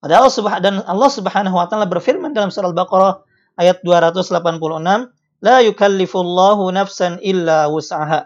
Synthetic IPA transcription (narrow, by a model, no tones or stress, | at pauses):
padalːsubadanʔɑlːɑhsubħanaɦuwat̪aalabərfirmandalamsuɾalbaqɑɾɑ | ʔajat̪̚duaɾat̪ʊslapanpuluənam | lajukalːɪfulːɑɦunafsanʔɪlːawʊsʕaɦa